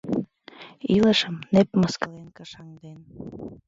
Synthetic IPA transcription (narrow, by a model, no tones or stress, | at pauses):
ilə̆ʃəmnepməskɤlenkəʃɑŋd̪en